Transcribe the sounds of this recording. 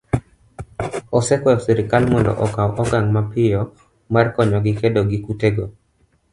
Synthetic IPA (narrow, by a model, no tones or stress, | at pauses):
ɔsɛkwɛfsiɾɪkalmɔndɔ̰ʔɔkawʔɔɡaŋmapɪjɔ | markɔɲɔɡɪkedoɡɪkuteɡo